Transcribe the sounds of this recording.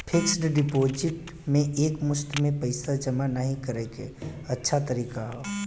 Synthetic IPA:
pʰɪksɖɖɪpoːd͡ʒɪʈ | mẽʔeːkmʊst̪mẽpəɪsad͡ʒɐmanəɦĩkɐɾeːkḛɐtːʃʰat̪əɾiːkaɦoː

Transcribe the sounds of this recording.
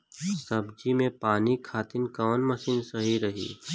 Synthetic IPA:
sɐbd͡ʒimẽpaːnikʰaːt̪ɪnkɔːnmɐʃiːnsɐɦiɾɐɦḭː

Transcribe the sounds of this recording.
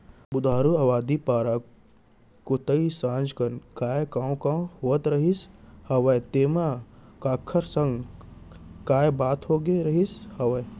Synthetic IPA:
bʊd̪ʱaːɾuawaːd̪ipaːɾa | kot̪əisãːnd͡ʒkənkaːjkãːũkãhoːət̪ɾɐɦishɐʋəjt̪eːmakaːkʰːəɾsə̃ŋɡ | kaːjbaːt̪ɦoɡeɾɐɦishɐʋəj

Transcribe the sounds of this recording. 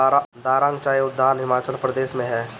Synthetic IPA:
d̪aːɾãːŋɡt͡ʃaːjʊd̪ʱːaːnɦɪmaːt͡ʃəlpɾəd̪eːʃmẽɦɛː

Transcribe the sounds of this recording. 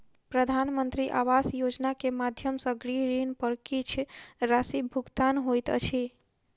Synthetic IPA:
pɾəd̪ʱanmənt̪ɾiʔa̰ʋasjod͡ʒnakemad̪ʱjəmsəɡɾiɾinpəɽkit͡ʃʰɾasibʱuɡt̪anɦojt̪ə̰t͡ʃʰi

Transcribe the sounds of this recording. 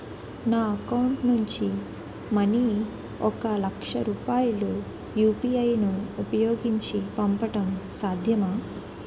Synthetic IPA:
naːɐkɐwuɳʈnuɲt͡ʃi | mɐni | ɔkɐlɐkʂɐɾuːpaːjulu | juːpiɐjnuːpɐjoːɡiɲt͡ʃipɐmpɐʈɐmsaːd̪ʱjɐmaː

